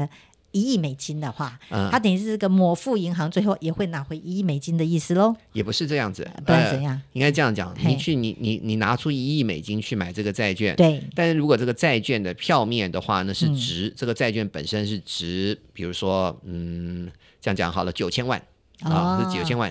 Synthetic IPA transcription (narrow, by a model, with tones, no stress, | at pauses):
i˧˥i˥˩me˨˩ɪt͡ɕi˥nd̪ə˨xwa˥˩ə˧˥˧a˥t̪ə˨˩ŋi˧˥ʂɻ̩˥˧˩ɡə˩mwɔ˨˩fu˥˩i˧˥ŋxɑ˧˥ŋt͡swe˥˧ɪxo˥˩ʊjɛ˨˩xwe˥˩ɪna˨˥xwe˧˥ɪi˧˥i˥˩me˨˩ɪt͡ɕi˥nd̪ə˨˧i˥˩sɹ̩˥˩lɔ˧˦jɛ˨˩pu˧˥ʂɻ̩˧ʈ͡ʂɤ˥˧jɑ˥˩ŋd͡zɹ̩˩pə˨˧˩jɑ˥˩ŋi˥ŋka˥ɪʈ͡ʂɤ˥˧jɑ˥˩ŋt͡ɕjɑ̰˨˩˦ŋni˨˩t͡ɕʰy˥˩ni˨˩ni˨˩ni˨˩na˧˥ʈ͡ʂʰu˥i˧˥i˥˩me˨˩ɪt͡ɕi˥nt͡ɕʰy˥˩ma˨˩ɪʈ͡ʂɤ˥˩ɡə˩t͡sa˥˧ɪt͡ɕɥɛ̰˥˩nt̪we˥˩ɪt̪a˥˧nʂɻ̩˥˩ɻu˧˥kwɔ˨˩ʈ͡ʂɤ˥˩ɡə˩t͡sa˥˧ɪt͡ɕɥɛ˥˩nd̪ə˩pʰjɑ˥˧ʊmjɛ˥˩nd̪ə˩xwa̰˥˩na˥˧ʂɻ̩˥˩ʈ͡ʂɻ̩˧˥ʈ͡ʂɤ˥˩ɡə˩t͡sa˥˧ɪt͡ɕɥɛ˥˩npə̰˨˩nʂə˥nʂɻ̩˥˩ʈ͡ʂɻ̩˧˥pi˨˩ɻu˧˥ʂwɔ˥n̩˥˩˥ | jɑ˥˩ŋ˩t͡ɕjɑ̰˨˦ŋxɑ˨˩ʊlə˦t͡ɕjo˨˩ʊt͡ɕʰjɛ˥nwa̰˥˩n˥˧˥ | t͡ɕjo˨˩ʊt͡ɕʰjɛ˥nwa̰˥˩n